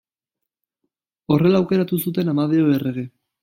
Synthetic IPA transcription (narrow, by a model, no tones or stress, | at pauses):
o̞re̞laːwke̞ɾat̪usut̪e̞namað̞eoere̞ɣ̞e̞